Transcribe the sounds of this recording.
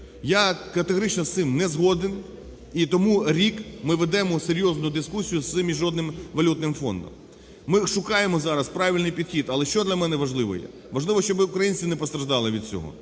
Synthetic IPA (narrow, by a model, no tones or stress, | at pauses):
jakɐt̪eɦɔɾɪt͡ʃnɔst̪sɪmnɛzɦɔd̪ɪn | it̪ɔmuɾʲikmɪʋed̪ɛmɔseɾʲjɔznʊd̪ɪskusʲijʊsɪmʲiʒːɔd̪nɪmʋɐlʲut̪̚nɪmfɔ̰nd̪ɔ̰mː | ɪʃʊkɑjemɔzɑɾɐspɾɑʋʲilʲnɪjpʲid̪̥xʲid̪ɐlˠɛʃt͡ʃɔd̪lʲɐmɛnɛʋɐʒlˠɪʋɔ̰jɛ̰ | ʋɐʒlˠɪʋɔʃt͡ʃɔbɪʊkɾɐjinʲt͡sʲinɛpɔst̪ɾɐʒd̪ɑlˠɪʋʲid̪̚t͡sʲɔ̰ɦɔ̰